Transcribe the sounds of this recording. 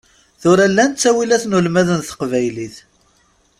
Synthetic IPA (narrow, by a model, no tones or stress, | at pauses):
θʊɾælːænt͡sːæwilæθnulmæðənθə̥qvæjliθ